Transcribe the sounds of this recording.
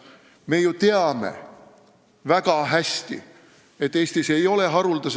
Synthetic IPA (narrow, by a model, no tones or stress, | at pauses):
me̞jut̪eɑme̞̰ | væɡ̥ɑɦæsʲt̪ḭ | e̞t̪ːe̞ːst̪ise̞jo̞le̞ɦɑɾuld̪ɑs